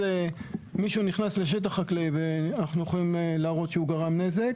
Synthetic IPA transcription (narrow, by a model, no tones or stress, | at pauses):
emiʃuniχnasle̞ʃ̬e̞t̪̬aχaklejveanaχnujeχolimlaːʁo̞tʃeuɡaʁamne̞ze̞k